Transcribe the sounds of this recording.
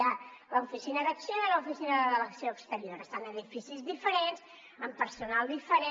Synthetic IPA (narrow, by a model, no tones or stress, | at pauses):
aləufisinəðəksjoiləufisinəðəðələksjoəkst̪əɾioɾəst̪anəðifisizðifəɾenz̥ | əmpəɾsunalˠd̪ifəɾe